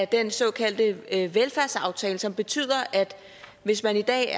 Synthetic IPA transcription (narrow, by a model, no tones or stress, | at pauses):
d̥ensɒ̽ːkʰæl̰d̥əʋelfæɐsɑ̈ʊt͡sʰɛːləsɒ̽mb̥e̝t͡sʰy̰ð̰ˠɐʔæd̥ | ʋe̝s̬mænid̥ɛ̰ː